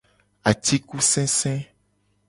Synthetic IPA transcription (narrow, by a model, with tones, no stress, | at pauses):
a˨t̪i˦ku˦sɛ̃˦sɛ̃˦